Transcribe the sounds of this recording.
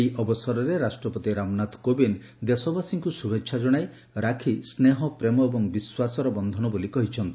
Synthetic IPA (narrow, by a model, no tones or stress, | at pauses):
eiʔɔbɔsɔɾɔɾeɾasʈɾɔpɔt̪iɾamnat̪kobin | d̪esɔbasiŋkusubekːʃʰad͡ʒɔɽ̃aj | ɾakʰisneɦɔpɾemɔebɔŋbiswasɔɾɔbɔnd̪ʱɔnɔbolikɔɦit͡ʃʰɔnt̪i